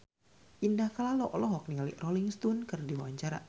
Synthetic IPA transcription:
ʔindahkalalɔʔlɔɦɔk̚nialḭʔrʔoliŋst̪unkərdiwawaɲt͡ʃaɾa̰

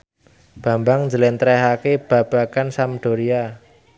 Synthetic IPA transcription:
b̥a̤mbaŋɲd͡ʒəlɛnt̪ɾɛɦakeb̥a̤b̥a̤kansamɖ̥o̤ɾia

